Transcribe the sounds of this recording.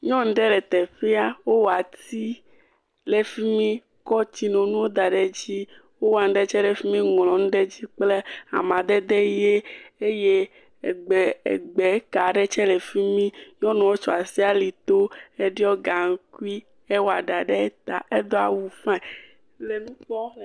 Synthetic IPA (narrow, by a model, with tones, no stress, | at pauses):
ɲɔ̃˦n̩˦ɖɛ˦lɛ˨t̪ɛ˨ɸi˦a˦wo˦wa˨t̪i˦ | le˨fi˦mĩ˦ | kɔ˦t͡ɕi˦nɔ̃˨nũ˦wo˦d̪a˨ɖe˨d͡ʑi˦ | wo˦wo˦a˨n̩˦ɖɛ˦t͡ʃɛ˦ɖɛ˨fi˦mĩ˦ŋlɔ̃˨ñ̩˦ɖe˦d͡ʑi˦k͡ple˦a̰˨mã˨d̪ɛ˦d̪e˦je˦e˦je˦ | e˨ɡ͡be˨ḛ˨ɡ͡be˨˦ka˨ɖe˦t͡ʃɛ˦le˨fi˦mĩ˦ɲɔ̃˦nɔ̃˨wo˦t͡ʃo˨a˨si˦a˦li˨t̪o˦e˦ɖi˦ɔ˦ɡa˨ŋ̩˦ku˦i˦ | e˦wo˦a˨ɖa˨ɖe˦e˦t̪a̰˨e˦d̪o˦a̰˨wu˨fɛ̃˦ | le˨nũ˦k͡pɔ˦